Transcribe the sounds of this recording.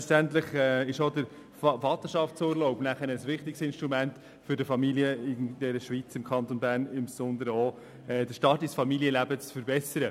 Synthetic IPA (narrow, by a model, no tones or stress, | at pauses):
tæntlɪχɛːɪʃodəɾ | fɑt̪əʃɑftt͡suːɾloʊpnæχənəsʋɪχtɪksɪnʃtʁumænt | fʏɾdəfɑmiliəɪnd̥ɛɾəʃʋit͡sɪmkʰχɑnt̪onbæːɾnɪmsɔnd̪əɾɔ | ɛd̥əʃtɑːtɪsfɑmiliəlæbət͡sfəɾbɛsəɾə